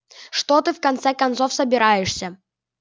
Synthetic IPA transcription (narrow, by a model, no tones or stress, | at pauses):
ʂt̪ɔt̪ɨfkant̪sɛkant̪sɔfsɐbʲɪɾajɛʂsʲɐ